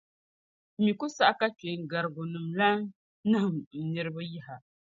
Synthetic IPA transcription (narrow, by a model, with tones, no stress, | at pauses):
mi˨ku˦sa˦ʔa˦ka˦t͡ʃe˨ŋ˨ɡa˨ɾɨ˨ɡu˨nɨ˨mla˦n | nɨ˦ɦɨ˨mn̩˨nɨ˨ɾɨ˦bɨ˦ji˦ɦa˨